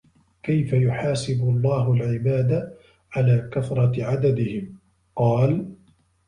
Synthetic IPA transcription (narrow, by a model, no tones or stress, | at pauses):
kajfajʊħaːsɪbʊlˤːɑːɦʊlʕɪbaːd̪a | ʕalaːkaθɾˤɑtʕad̪ad̪ɪhɪm | qɑːl